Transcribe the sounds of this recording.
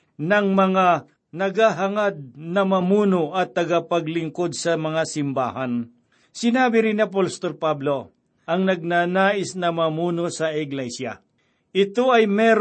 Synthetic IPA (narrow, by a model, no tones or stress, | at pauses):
nɐŋmɐŋa | nɐɡaɦɐŋad̪̚nɐmɐmuːnoʔɐt̪ːɐɡapɐɡlɪŋkod̪̚sɐmɐŋasɪmba̰ːɦɐn | sɪnaːbɪɾɪniɐp̬olst̪olpablo | ʔɐŋnɐɡ̚naːnaːʔɪsnɐmɐmuːnosɐɪɡlɛsja̰ | ʔɪt̪oɐjmɛɾ